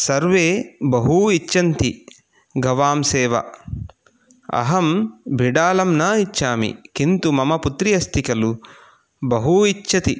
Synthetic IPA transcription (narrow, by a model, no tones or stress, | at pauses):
sɐɾʋeːbɐɦuit͡ʃːɐnt̪i | ɡɐʋaːmsɛːʋɐ̰ | ɐ̰ɦɐmbʱiɽaːlɐmnɐit͡ʃːʃːaːmḭkint̪umɐmɐput̪ɾijɐst̪ʰikɐlu | bɐɦuit͡ʃːɐt̪i